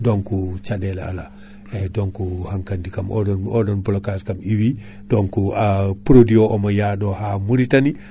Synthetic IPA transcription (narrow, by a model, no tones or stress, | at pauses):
dɔnkut͡ʃadɛla̰a̰la | ɛdɔŋkuhaŋkandikamɔ̰dɔɔdɔnbɔlokaskamiwi | dɔnkuapuɾodiɔʔɔmajaɗɔhamuɾitani